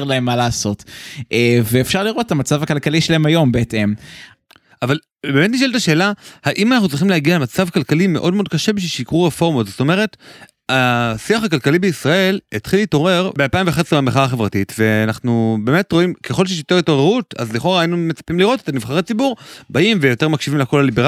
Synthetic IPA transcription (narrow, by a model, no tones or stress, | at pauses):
ʁlaemːalaːso̞teveːfʃaʁliʁo̞t̪etamat͡savakalkaliʃelaemajo̞mbeetem | aval | be̞ːme̞tniʃ̬eltaʃe̞ːlahaʔimanaχnut͡sʁiχimleaɡialemat͡savkalkalime̞ʔo̞d̚meod̪kaʃebiʃiʃiikʁuʁefo̞ʁmotzsot̪o̞me̞ʁ̞e̞t | asiaχakalkalibeisʁae̞letχilito̞ʁe̞ʁbealpaiɱveχesʁibameχaaːχe̞vʁatitveanaχnube̞ːmetʁo̞imkeχolʃeʃjot̪e̞ʁito̞ʁeʁuta̰zliχoʁaːinume̞t͡sḁpimliʁo̞tet̪aniv̥χaʁet͡sibuʁbaimvejo̞te̞ʁmakʃivimlekolalibeʁ